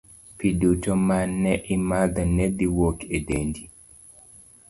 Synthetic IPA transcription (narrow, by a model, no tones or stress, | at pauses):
pidutomanːɛʔimad̪anɛd̪iwokedendi